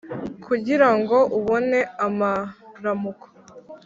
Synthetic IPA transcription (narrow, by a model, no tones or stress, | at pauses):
kʰuɟiɾaŋɡo̞ʔuβo̞ne̞amaɾamuko̥